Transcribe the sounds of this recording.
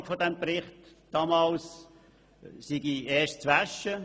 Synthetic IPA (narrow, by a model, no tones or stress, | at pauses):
kfodɛmpɾɪχt | d̥ɑːmɑːls | siɡieːɐʃtt͡sʋæʃːə